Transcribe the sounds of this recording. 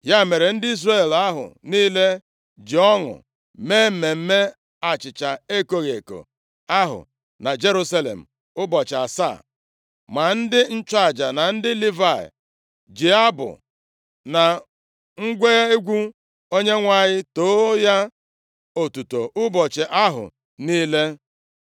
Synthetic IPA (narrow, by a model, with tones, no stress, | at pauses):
ja˦˨me˨ɾe˨n̩˦dɪ˦i˦zre˦˨la˦ɦʊ̰˨niː˦le˦ | d͡ʒɪ˨ɔ˦ŋʊ̰˨ | me˦m̩˨me˨m̩˦me˦ | a˨t͡ʃɪ˨t͡ʃa˨e˦ko˦ɣe˨ko̰˨ | a˦ɦʊ̰˨ | na˨d͡ʒe˦ɾu˦sa˦lḛ˨m̩˨ | ʊ˦bɔ˨t͡ʃa˨sa̰˦˨ | ma˨n̩˦dɪ˦n̩˦t͡ʃa˨d͡ʒa˨na˨n̩˦dɪ˦li˦va̰˦˨ | d͡ʒi˨a˦bʊ̰˨ | na˨ | ŋ̩˦ɡʷe˦e˦ɡʷu˦ | o˦ɲe˦ŋʷa˦˨ɲɪ˦toː˦ja˦ | o˨tu˨to˨ʔʊ˦bɔ˨t͡ʃɪ˨ʔa˦ɦʊ̰˨ | niː˦le˦